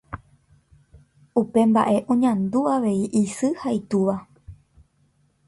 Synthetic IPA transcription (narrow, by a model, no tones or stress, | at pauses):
upe̞mba̰ʔe̞ʔõɲãnd̪uaʋe̞iʔisɨhait̪uʋa